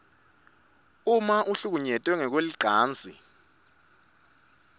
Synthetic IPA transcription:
umaʔuɬuk̬uɲɛtʼwɛŋɛk̬weliǃʱaːnd͡zʱḭ

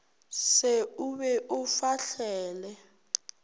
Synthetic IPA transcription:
seuβɛʔufaɬɛːlɛ

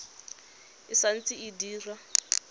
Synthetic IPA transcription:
isant͡siidiːra

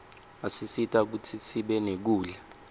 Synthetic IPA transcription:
asisitʰʼak̬utʰisiɓɛnek̬uːɮɛ

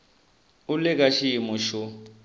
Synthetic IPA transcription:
ʊlɪk̬ʼaʃiimʊʃʊ

